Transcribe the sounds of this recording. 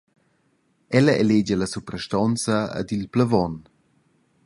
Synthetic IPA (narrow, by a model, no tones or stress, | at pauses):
ɛlɐʔɛled͡ʒəlɐsupɾəʃtɔnt͡sə̰ːdilpləvɔn